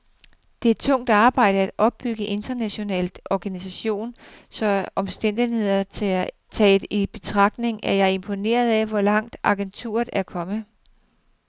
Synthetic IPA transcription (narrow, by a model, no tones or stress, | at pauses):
d̥eæːd̥̚t͡sʰɔ̽ŋ̰d̥ɑ̈ːb̥ɑ̈ɪ̰ɾ̥əæd̥ɒ̽b̥̚ːyɡ̥əʔe̝nd̥ɐnæɕo̝nɛ̰ːld̥ɒɡ̥ænis̬æɕo̝̰ːnsɒ̽ʔɒ̽msd̥en̰d̥ihe̝ð̞̰ˠɐe | t͡sʰɛ̥ːib̥e̝t͡sʰʁɑ̈ɡ̥̚d̥ne̝ŋæɐjɑ̈e̝mpʰo̝ne̝̰ːɐð̞ˠæʋɒlɑ̈ŋ̰d̥ɑ̈ɡ̥ent͡sʰṵːɐð̩ˠæɐkʰɒ̽mə